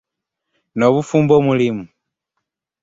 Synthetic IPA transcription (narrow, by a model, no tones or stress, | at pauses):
noβufuːmbomulimu